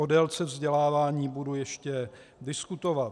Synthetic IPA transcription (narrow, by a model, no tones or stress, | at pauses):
odɛlt͡sɛvzɟɛlaːvaːɲiːbudujɛʃcɛdɪskut̪ovat̪